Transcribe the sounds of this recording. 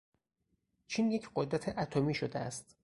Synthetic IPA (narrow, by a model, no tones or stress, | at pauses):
t͡ʃʰiːnjecʰɢod̪ɾæt̪ʰeʔæt̪ʰomiːʃod̪eæ̰st̪